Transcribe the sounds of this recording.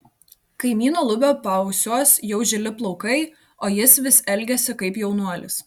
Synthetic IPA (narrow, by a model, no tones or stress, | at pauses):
kɐɪmʲiːnoːlˠʊbʲoːpɐʊsʲoɔsjɛʊʒʲɪlʲɪplˠɔʊkɐɪ | oːjɪsʋʲɪsɛlʲɡʲɛsʲɪkɐɪpjɛʊnuɔlʲɪ̰s